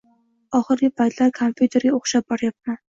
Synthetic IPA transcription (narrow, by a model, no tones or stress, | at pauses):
ɒχɨɾɡʲɪpʰajt̪ʰlaɾkʰompʰjut̪ʰe̞ɾɡʲaoχʃap̚bɒɾjap̚man